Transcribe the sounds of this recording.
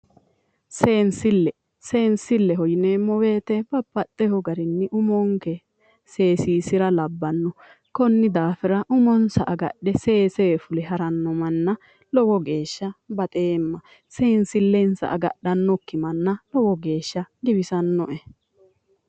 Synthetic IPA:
se̞ːnsɪlːɛ | se̞ːnsɪlːɛɦɔjneːmɔwe̞ːt̪ɛbɐpːɐt̪ːɛhɔɡɐɾɪnːɪʔʊmɔŋkɛ | se̞ːsiːsɪɾɐlɐbːɐnːɔ | kɔnːɪd̪aːfɪɾɐʔʊmɔnsɐʔɐɡɐ̰ɗɛse̞ːseːfʊlɛɦɐɾɐnːɔmɐnːɐ | lɔwɔɡe̞ːʃːɐbɐt̪ʼe̞ːmːɐ | seːnsɪlːɛnsɐ̰ʔɐɡɐ̰ɗɐnːɔkːɪmɐnːɐlɔwɔɡe̞ːʃːɐɡɪbɪsɐnːɔʔɛ

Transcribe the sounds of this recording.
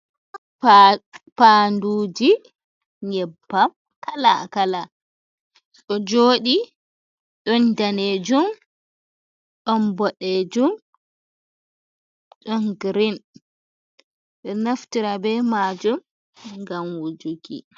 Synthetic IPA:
panduːd͡ʒi | ɲɛbːam | kala̰kala | ɗɔd͡ʒoːɗi | ɗɔndaned͡ʒum | ɗɔnbɔɗed͡ʒum | ɗɔnɡɾin | ɗɔnaftiɾabɛmad͡ʒum | ŋɡamwud͡ʒuɡḭ

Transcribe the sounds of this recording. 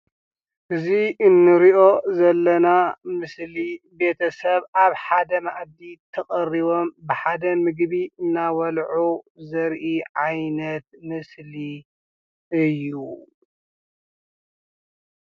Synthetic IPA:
ʔɨziɨnːɨɾiʔo̞zɐlːɐnamɨsli | be̞t̪ʰɐsɐβaβħad̪ɐmaʔd̪it̪ʰɐχʼɐriβo̞mbɨħad̪ɐmɨɡbiɨnːawɐlʕuzɐɾʔiʕajnɐt̪mɨsli | ɨjːu

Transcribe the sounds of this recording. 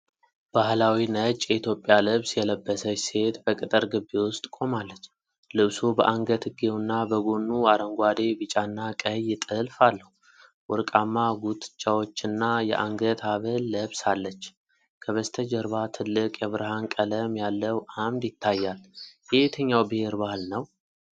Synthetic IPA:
b̥ahlawinət͡ʃʼjɛit̪ʰjo̞pʼjalɨβsjɛləbːəsəse̞t̪bəkʼɨt̪ʼɨɾɡɨbːewʊst̪ʼkʼo̞malːət͡ʃː | lɨβsubəʔaŋɡət̪ʰɨɡewunːabəɡonːuaɾəŋɡʷwad̪e̞bɨt͡ʃʼanːakʼəjːɪt̪ʼɨlfalːəhu | wɔɾkʼamːaɡut̪ʼɨ̥t͡ʃʼːawo̞t͡ʃːɪnːajɛ̰ʔaŋɡət̪ʰaβəlːəβsalːət͡ʃː | kʰəβəst̪ʰəd͡ʒəɾβat̪ʰɨlːɨkʼjɛβɾɨɦankʼələmjalːəwʔamd̪jɪt̪ʰːajːaljet̪ʰəɲːawbɨhe̞ɾbahɨlnəw

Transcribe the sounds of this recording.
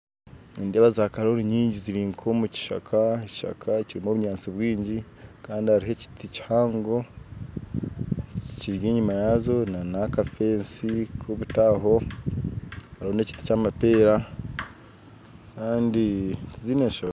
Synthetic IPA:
indeβazakaɾoɾiɲiːɲɟiziɾiŋkʰomuci̥ʃa̰kʰaeci̥ʃa̰kʰaciɾimoβuɲaːnt͡siβwiːɲɟi | kaːndihaɾiɦe̞ci̥tʰici̥haːŋɡo̞ | ciciɾɡeːɲumajazo̞nanakafe̞ːnsikʰoβutaːɦo̞ | haɾhone̞ci̥ti̥camapeːɾa | kaːnditizineːʃa

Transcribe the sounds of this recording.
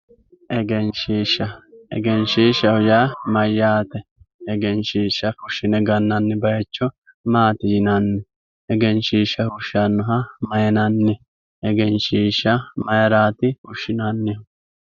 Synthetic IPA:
ʔɛɡɛnʃiːʃɐɛ̰ɡɛnʃiːʃɐhʊjaːmɐjːaːt̪ɛɛɡɛnʃiːʃːɐfʊʃːɪnɛɡɐnːɐnːɪbɐjɛt͡ʃːɔ | maːt̪ɪd͡ʒɪnɐnːɛ | ɛɡɛnʃiːʃɐhʊʃɐnːʊɦɐmɐjɐnɐnːɛ | ɛɡɛnʃiːʃːɐmɐjɐɾaːt̪ɪhʊʃːɪnɐnːɪ

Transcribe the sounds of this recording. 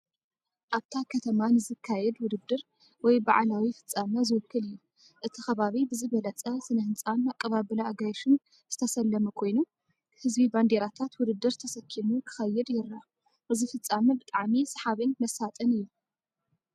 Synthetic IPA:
ʔaβt̪ʰakʰɐt̪ʰɐmanɨzɨkʰːajɛd̪wʊd̪ɨd̪ɨɾ | wɔjba̰ʕlawifɨ̥t͡sʼːamɐzɨwɨkʰːɨlɨjːu | ʔɨt̪ʰixɐβaβibɨzɨβɐlɐt͡sʼɐsɨnɐhɨnt͡sʼanakʼːɐβaβɨlaːɡajʃɨn | z̥ɨt̪ʰɐsɐlːɐmɐkʰo̞jnu | hɨzbiband̪e̞ɾat̪ʰat̪wʊd̪ɨd̪ːɨɾt̪ʰɐsɐkʰːimukʰɨ̥xɐjːɛd̪jɪɾːa | ʔɨzifɨt͡sʼːamɐbɨt̪ʼaʕmisɨħaβɨnmɐsat̪ʼɐnɨjːu

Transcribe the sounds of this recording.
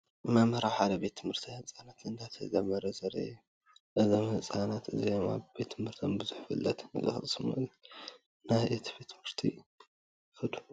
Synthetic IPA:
ɨmamɐɾawħad̪ɐbe̞t̪ʰːɨmhɨɾt̪ʰiɨt͡sʼanat̪ɨnd̪ʰat̪ʰɐzɐmɐɾɐzɐɾɐ̰ | ʔɨzɐmɨt͡sʼanat̪ɨzijoma̰βbe̞t̪ːʰɨmhɨɾt̪ʰombɨzuħfɨ̰lːɐt̪nɨɡɐ̰xʼsumɐ̰l | najet̪ʰbe̞t̪ʰːɨmɨɾt̪ʰi | xɨd̪u̥

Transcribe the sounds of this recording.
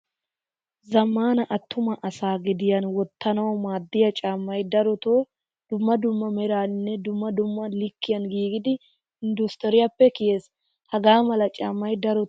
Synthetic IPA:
zɐmːaːnɐʔɐt̪ːʊmɐʔɐsaːɡɪd̪ɪjɐnwɔt̪ːɐnɐwɔmaːd̪ːɪjɐt͡ʃʼaːmːɐjd̪ɐɾɔt̪oː | d̪̥ʊmːɐd̪ʊmːɐmɛɾaːnːɛd̪ʊmːɐd̪ʊmːɐlɪkːɪjɐnɡiːɡɪd̪ɪ | ɪnd̪ʊst̪ɔɾɪjɐpːɛkɪjeːs | hɐɡaːmɐlɐt͡ʃʼaːmːɐjd̪ɐɾɔ

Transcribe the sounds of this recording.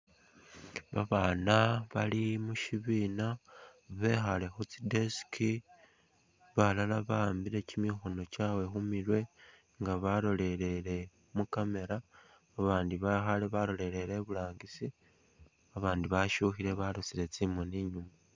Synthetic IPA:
βa̰βaːnaβalimuʃiβiːnaβe̞xale̞xut͡sideski | βalalaβaːmbiɾe̞cimixo̞no̞cawe̞xumiɾwe̞ | ŋɡaβalo̞le̞ɾe̞ɾe̞ | mukame̞ɾaː | βaːndiβaxaleβalo̞le̞ɾe̞ɾeβulaːŋɡisi | aβaːndiβaʃuxiɾe̞βalut͡siɾe̞t͡simoniɲuma

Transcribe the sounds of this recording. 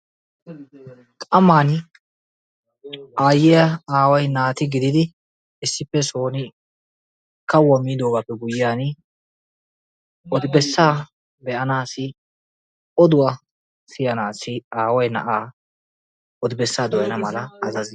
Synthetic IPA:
kʼɐmaːn | ʔaːjːɪjɐaːwɐjnaːt̪ɪɡɪd̪ɪd̪ɪ | ɪsːɪpːɛsoːnɪ | kɐwɔmːiːd̪oːɡapːɛɡʊjjaːn | ɔd̪ɪbɛsːaː | bɛʔɐnaːsɪ | ɔd̪ʊwa | sɪjɐnaːsɪaːwɐjnɐ̰ʔaː | ʔɔd̪ɪbɛsːaːd̪ɔjɐnɐmɐlɐːzɐz

